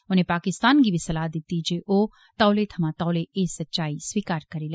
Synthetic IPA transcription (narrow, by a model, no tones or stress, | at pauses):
onẽpaːkɪst̪aːnɡibʱisɐlaːd̪ɪt̪ːid͡ʒeʔoː | t̪ɔːlet̪ʰɐmãt̪ɔːleeːsɐtːʃaːiswiːkaːɾkɐɾilɛ